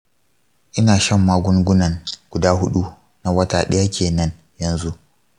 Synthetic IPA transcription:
ʔɪ˦naː˨ʃɐ˦mːaː˦ɡʷʊ˦ŋɡʷʊ˦nɐ˨ŋɡ̥ʷʊ˨daː˦ɦʊ˦ɗu˦ | na˨wɐ˦ta̰ː˨ɗɐ˦ja˦kʲʰeː˨nɐ˦n | jɐ˨nzu˦ʔ

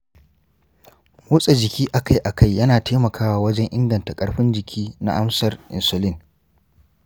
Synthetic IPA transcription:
wʊ˦sʼe˨d͡ʒɪ˨kʲiː˦ʔa˨ka˦jʔa˨kʰa˦˨jːɐ˦naː˨tʰeː˦mɐ˨kʰaː˦waː˨wɐ˦d͡ʒɛ˦ŋʔɪ̰˦ŋɡɐ˨nta˨kʼɐ˦ɽɸɪ˦nd͡ʒɪ˨kʲʰiː˦na̰˦ʔa˦msɐ˨rʔɪ̰˨nsʊ˨lɪ˦n

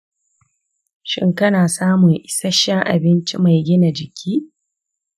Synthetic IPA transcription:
ʃɪ̰˦ŋkɐ˦naː˨saː˦mʊ˨ŋʔɪ˨sɐ˦ʃɛ˦ŋʔa̰˨bɪ˦nt͡ʃi˦ma˨jɡʲɪ˦na˨d͡ʒɪ˨kʲʰiː˦

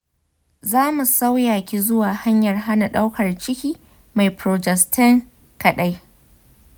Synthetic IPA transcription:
zaː˦mu˨sa˦wjaː˨kʲi˨zʊ˦waː˨ha˦ɲjɐ˨rɦa˦na˨ɗa˦wkɐ˨rt͡ʃɪ˦kʲiː˦ | ma˨jpɾoː˨d͡ʒɛ˨stʰɪ˦ŋ | kɐ˨ɗa˦j

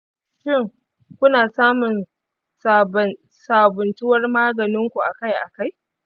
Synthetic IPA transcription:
ʃɪ˦˨ŋ | kʷʊ˦naː˨saː˦mʊ˨n | sa˨ | saː˨bʊ˨nt͡ʃɪ˦wɐ˦rmaː˦ɡɐ˨nɪ˦ŋkʷu˨ʔa̰˨ka˦jʔa̰˨ka˦˨j

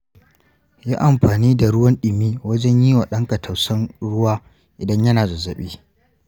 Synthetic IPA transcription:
jaː˦ʔa˨mɸaː˨niː˦da˨ɽʊ˦wɐ˦nɗɪ˨miː˦wɐ˦d͡ʒɛ˦ɲjiː˦waː˨ɗɐ˦ŋkɐ˨tʰɐ˨wsɐ˦nɽʊ˦waː˦ | ʔɪ˨dɐ˦ɲjɐ˦naː˨za˨zɐ˨ɓiː˦

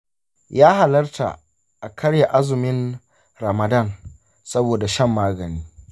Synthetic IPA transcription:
jaː˦ha˨lɐ˦rtʰa̰˨ | ʔa˨kʰɐ˦ɽja˨ʔa˦zʊ˨mɪ˦n | ɾɐ˨mɐ˨dɐ˦˨n | sɐ˦boː˨da˨ʃɐ˦˨mːaː˦ɡɐ˨niː˦

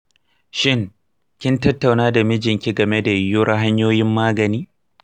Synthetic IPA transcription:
ʃɪ˦ŋ | kʲɪ˦ntɐ˦tːa˨wnaː˦da˨mɪ˦d͡ʒɪ˨ŋkʲi˦ɡɐ˨me˦da˨jʊ˦ɽɐ˦ɦa˦ɲjoː˦jɪ˦mːaː˦ɡɐ˨niː˦

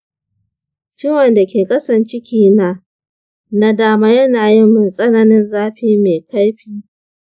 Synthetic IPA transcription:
t͡ʃɪ˦wɐ˨nda˨kʲeː˨kʼɐ˦sɐ˨nt͡ʃɪ˦kʲʰiː˦˨na˦ | na˦daː˦˨maː˦jɐ˦naː˨jɪ˦mːɪ˨nsʼɐ˦nɐ˦nɪ˦nzaː˦ɸiː˦meː˨ka˦jɸiː˦

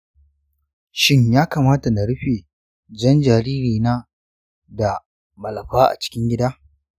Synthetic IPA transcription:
ʃɪ˦ɲjaː˦kaː˨maː˦ta˨na˨ɽɪ˦ɸeː˨ | d͡ʒɐ˦nd͡ʒa˨ɾiː˦ɾiː˨naː˦ | da˨ | mɐ˨lɐ˨ɸaː˦ʔa̰˨t͡ʃɪ̥˦kʲɪ˦ŋɡʲɪ˦daː˦

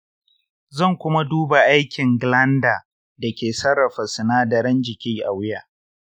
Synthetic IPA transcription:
zɐ˦˨ŋkʷʊ˦ma˦duː˦ba˨ʔa˦jkʲɪ˨ŋɡlɐ˦ndaː˨ | dɐ˨kʲeː˨sɐ˦rːɐ˨ɸɐ˨sɪ˨naː˦da˨ɾɐ˦nd͡ʒɪ˨kʲiː˦ʔa˨wɪ˦jaː˨

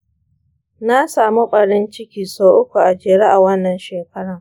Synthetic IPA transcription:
na˦saː˨mu˦ɸʼɐ˨ɽɪ˦nt͡ʃɪ˦kʲiː˨soː˦ʔʊ˦kʷu˨ʔa˨d͡ʒeː˨ɽe˦ʔa˨wɐ˦nːɐ˨nʃeː˨kɐ˦ɽɐ˨ŋ

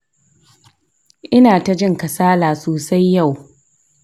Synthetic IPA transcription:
ʔɪ˦naː˨ta˦d͡ʒɪ˦ŋkɐ˨saː˦laː˨soː˨sa˦jːa˦˨w

